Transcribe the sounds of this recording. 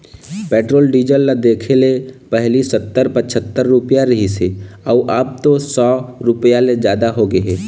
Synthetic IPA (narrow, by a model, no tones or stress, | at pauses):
peːʈɾoːlɖiːd͡ʒəlːad̪eːkʰelepɛɦlisət̪ːəɾpət͡ʃʰət̪ːəɾːʊpəjaɾɐɦiseɔuʔaːb̚t̪osɔːɾʊpjaled͡ʒjaːd̪aɦoɡəɦeː